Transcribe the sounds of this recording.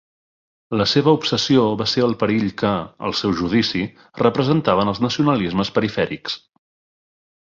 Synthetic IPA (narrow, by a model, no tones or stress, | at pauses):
ləseβəupsəsioβaseəlˠpəɾiʎkəə̰lˠsɛwʒuð̞isi | rəpɾəzənt̪aβənəlˠznəsiunəlizməspəɾifɛɾiks